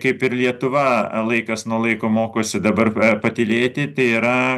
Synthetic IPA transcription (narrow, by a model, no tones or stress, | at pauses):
kɐɪpɪɾlʲiɛt̪ʊʋɐlˠɐɪkɐsnuɔlˠɐɪkoːmoːkoːsʲɪd̪ɐbɐrpɐt̪ʲɪlʲeːt̪ʲɪt̪ɐɪiɾɐ